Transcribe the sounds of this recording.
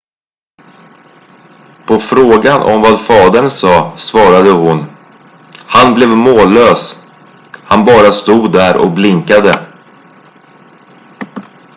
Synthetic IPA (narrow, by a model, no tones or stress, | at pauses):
pʰɔfɾoːɡanʔɔ̰mvad̪fɑːd̪əɳsɑːsvɑːɾad̪əɦʊn | hanblɛvmoːløːs | hanbɑːɾast̪uːd̪ːæɾʔɔ̰kblɪŋkad̪ə